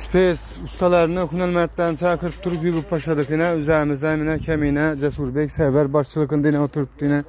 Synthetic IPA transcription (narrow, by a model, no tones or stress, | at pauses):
spʰes | ust̪ɑlˠɑɾnɨhunɛlmæɾt̪lænt͡ʃʰɛkʰɨɾɨp̚t̪ʰuɾupjuʁɨp̚t̪ʰɑʃlˠɨd̪ɨqʰɨnɛyzæːmɪzd̪ɛmɪnɛkʲʰɛminɛd͡ʒɛsuɾbɛkʲsæɾvæɾbɑʃt͡ʃʰɨlˠɨqənɨd̪ɨnɛot̪ʰuɾup̚t̪ʰɨnɛ